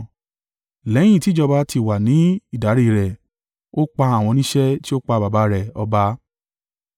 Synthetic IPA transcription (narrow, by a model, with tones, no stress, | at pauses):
lɛ˨˦j̃ĩ˦˨ti˦d͡ʒɔ˧ba˧˦tʰi˧˨wa˨nĩ˨˦i˦˨da˨˦ɾi˦˨ɾɛ˨ | o˦k͡pa˧a˦˨w̃ɔ̃˧nĩ˦ʃɛ˦ti˦o˦k͡pa˧˨ba˨ba˨˧ɾɛ˨ɔ˧ba˧˦